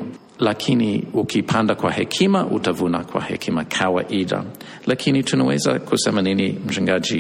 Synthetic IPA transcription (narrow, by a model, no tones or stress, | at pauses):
lakʰiniukʰipʰandakwahɛkʰimaʔutavunakʰwa̰hɛ̰kʰimakʰawa̰ʔiða̰ | lakʰinitʰunawɛ̰za̰kʰusɛmaninim̩t͡ʃuŋɡad͡ʒi